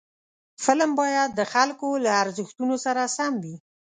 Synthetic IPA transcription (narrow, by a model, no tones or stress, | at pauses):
fɪlmbɑjad̪ːəxalkolaːɾzəxt̪unosaɾasamwi